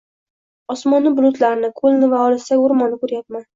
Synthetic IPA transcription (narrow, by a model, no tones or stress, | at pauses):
ɒsmɒnːɪbʊlˠʊt̪laɾnɪkʰolˠnɪvaɒlˠɪsaɡʊɾmɒnɪkɵɾjap̚man